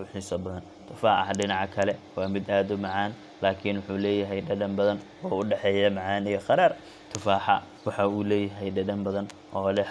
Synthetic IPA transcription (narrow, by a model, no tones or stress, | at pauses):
wʊħiːsɔbɐðɐn | t̪ʰʊfaːħɑhɖɪnɑʕɑkʰɐlɛwɑːmɪd̪aːd̪ʊmɑʕɑːn | laːkʰɪnwʊħuːlɛːjɐɦɛjɖɐɖɐmbɐðɐn | ɔːʊɖɛħɛːjɐmɑʕɑːnɪɣɐqɑɾaːr | t̪ʰʊfaːħɑ̰ | wɑħɑuːlɛːjɐɦɛjɖɐɖɐmbɐðɐnʔɔːlɛ